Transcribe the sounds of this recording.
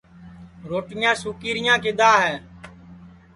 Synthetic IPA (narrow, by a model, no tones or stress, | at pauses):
ɾoːʈɪjãːsuːkiːɾɪjãːkɪd̪aːɦɛː